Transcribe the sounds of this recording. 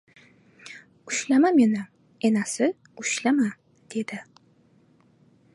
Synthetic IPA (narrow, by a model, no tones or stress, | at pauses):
ʊʃlamamenɪ | enasɪ | ʊʃlama | d̪̥e̞d̪̥ɪ